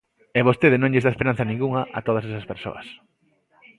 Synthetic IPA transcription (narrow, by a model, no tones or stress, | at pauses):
ɛβost̪eðɪnõŋʎezaespeɾan̟θɐnĩŋɡuŋɐʔɐ̰t̪oðɐsesɐspeɾso̰ɐ̰s